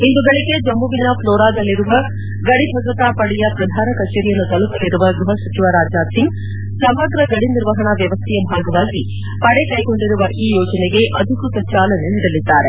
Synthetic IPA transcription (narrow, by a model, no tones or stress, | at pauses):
ind̪uɡɐɭiɡe̞d͡ʒɐmːuʋinɐploːɾaːd̪ɐlːiɾuʋɐ | ɡɐɽibʱɐɡɾɐt̪aːpɐɽɛjɐpɾɐd̪ʱaːnɐkɐt͡ʃeːɾijɐnːut̪ɐlut̪ɐlːiɾuʋɐɡɾuɦɐsʋɐt͡ʃiʋaɾaːd͡ʒnaːsiŋɡ | sɐmɐɡɾɐɡɐɽiniɾʋɐɦɐɳɐʋjɐʋɐst̪ʰijɐbʱaːɡɐʋaːɡi | pɐɽekɐjɡo̞ɳɖiɾuʋɐʔiːjoːd͡ʒɐneɡe̞ʔɐd̪ʱikut̪ɐt͡ʃaːlɐneniːɽɐlid̪ːaːɾe